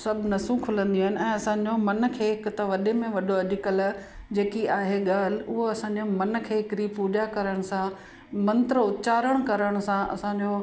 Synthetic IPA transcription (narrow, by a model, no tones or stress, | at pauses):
sɐbʱnɐsũkʰʊlə̃nd̪iaːɦɪnɪ̆ɛ̃ːɐsãːɲd͡ʑomɐnkʰeːɦɪkt̪ɐʋɐɗemẽʋɐɗoɐʄɪkəla | d͡ʑeːkiaːɦeɠaːl̤ɪʊɦoɐsãɲd͡ʑomɐn̆kʰeːkɪɾipuːʄakɐɾəɽ̃sã | mɐ̃nt̪ɾəʊt̪t͡ɕaːɾəɽ̃kɐɾəɽ̃sãʔɐ̰sãːɲd͡ʑoː